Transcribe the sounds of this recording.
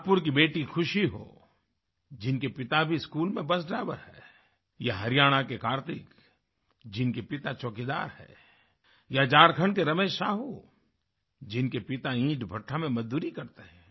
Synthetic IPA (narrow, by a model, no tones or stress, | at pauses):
pʊɾk̬ibeːʈixʰʊʃiɦo̰ː | d͡ʒɪnkepɪt̪abʱiskuːlmẽbɐsɖɾaːɪʋəɾhɛ̰ː | jaɦɐɾɪjaːɽ̃akekaːɾt̪ɪk | d͡ʒɪnkepɪt̪at͡ʃɔːkid̪a̰ːɾhɛ̰ː | jad͡ʒaːɾkʰəɳ̃keɾɐmeːʃʃaːɦu | d͡ʒɪnkepɪt̪aĩːʈbʱɐʈʰːamẽmɐd͡ʒd̪uːɾikɐɾt̪eɦɛ̃ː